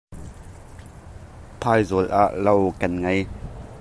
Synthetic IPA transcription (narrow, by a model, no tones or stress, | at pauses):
pʰaːjzɔlʔa̰ʔlowkɐnŋɐj